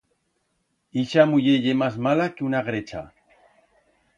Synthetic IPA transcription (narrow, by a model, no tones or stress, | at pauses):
iʃamʊjeʎemas̬malakeunaɣɾet͡ʃa̰